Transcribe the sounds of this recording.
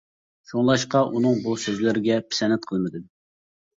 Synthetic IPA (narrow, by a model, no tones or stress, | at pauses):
ʃuŋlˠɑʃqɑʔunɨŋbusøzlɪɾɪɡʲɛpʰɪ̥sɛnɛt̪̚qʰəlˠmɨd̪ɨ